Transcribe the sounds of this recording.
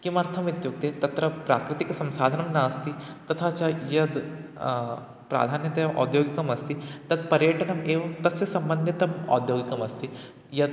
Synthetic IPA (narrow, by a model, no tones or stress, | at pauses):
kimɐɾt̪ʰɐmit̪jukt̪et̪ɐt̪ɾɐpɾa̰ːkɾɪt̪iksɐ̃msaːd̪ʱɐnɐmnɐːst̪it̪ɐt̪ʰat͡ʃajɐd̪ | pɾa̰ːd̪ʱaːnjɐt̪ɐjʔɔ̰ːd̪joːɡikɐmɐst̪it̪ɐd̪pɐɾjɐʈɐnɐmeːʋɐmt̪ɐsɐsɐmbənd̪ʱit̪ɐmɔ̰ːd̪joːɡikɐmɐst̪i | jɐd̪